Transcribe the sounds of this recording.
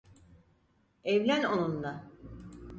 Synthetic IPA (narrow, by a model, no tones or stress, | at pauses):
evlʲænonund̪a